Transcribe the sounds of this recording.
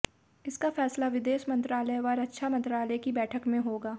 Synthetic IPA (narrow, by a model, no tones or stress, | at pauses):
ɪskafɛːslaʋɪd̪eːʃmɐ̃nt̪ɾaːləjʋaːɾɐtːʃʰamɐ̃nt̪ɾaːləjkibɛːʈʰəkmẽɦoːɡaː